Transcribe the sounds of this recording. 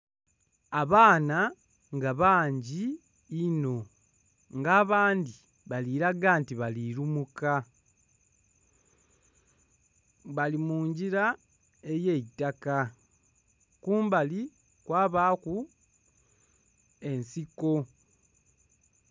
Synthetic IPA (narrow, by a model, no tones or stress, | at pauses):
aβaːna | ŋɡaβaːɲɟiː | no̞ | ŋɡaːβaːndi | βaliːɾaɡaːntiβaliɾumuka | βalimuːɲɟiɾa | e̞jeitːaka | kuːmbali | kwaːβaːku | e̞nsiko̞